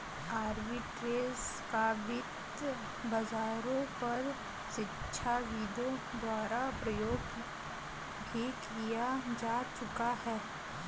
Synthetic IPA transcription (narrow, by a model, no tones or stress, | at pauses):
aːɾbiʈɾeːskabɪt̪ | bɐzaːɾõpɐɾ | ʃɪtːʃʰaʋiːd̪õd̪waːɾapɾɐjoːɡ | bʱikijad͡ʒaːt͡ʃʊkahɛː